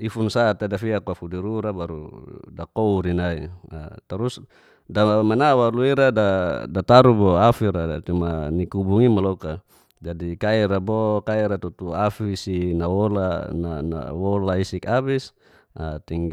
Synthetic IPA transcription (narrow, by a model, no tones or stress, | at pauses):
ifunsat̪adafiakuafudiɾuɾabaɾṵdakouɾinaia̰t̪aɾus | damanawaluiɾadadat̪aɾubɔafiɾat̪umanikubuŋimalɔka | d͡ʒadikaiɾabɔkaiɾat̪ut̪uafisinawɔlanana̰wɔlaisikabis | a̰t̪iŋ